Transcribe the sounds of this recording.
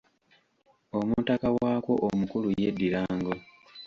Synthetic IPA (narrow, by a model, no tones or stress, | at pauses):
omutakawaːko̞ʔomukuluje̞dːiɾaːŋɡo